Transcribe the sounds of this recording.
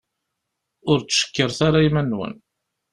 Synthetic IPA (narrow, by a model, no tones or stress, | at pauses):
ʊɾt͡sːʃə̥kːəɾθaɾaimænːwə̰n